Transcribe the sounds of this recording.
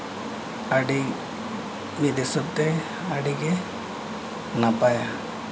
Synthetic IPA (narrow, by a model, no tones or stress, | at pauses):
aɖi | mid̪ɛsɔt̪ɛ | aɖiɡɛ | napaja